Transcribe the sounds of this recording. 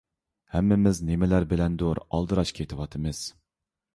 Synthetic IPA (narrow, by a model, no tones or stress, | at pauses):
hɛmːɪmɪznemɪlæɾbɪlɛnd̪oɾɑ̰lˠd̪ɨɾɑʃkʲʰet̪ʰɨwɑt̪ʰɨmɨz̥